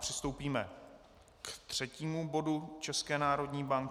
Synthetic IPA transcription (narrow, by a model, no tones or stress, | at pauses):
pr̥ɪst̪owpiːmɛ | kt̪r̝̥ɛciːmubo̞dut͡ʃɛskɛːnaːɾo̞dɲiːbaŋk